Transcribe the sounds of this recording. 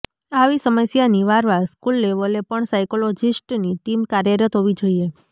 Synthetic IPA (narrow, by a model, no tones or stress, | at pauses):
aʋisəməsjaniʋaɾʋaskulːeʋəlepəɳsajkolod͡ʒisʈniʈimkaɾjəɾət̪ɦoʋid͡ʒoie